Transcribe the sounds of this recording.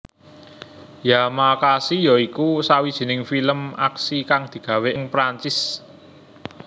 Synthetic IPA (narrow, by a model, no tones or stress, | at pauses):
jamakasijɔikusawid̥ʒ̥i̤nɪŋfiləmaksikaŋd̪̥i̤ɡ̥ä̤weʔɪŋpɾaɲt͡ʃɪs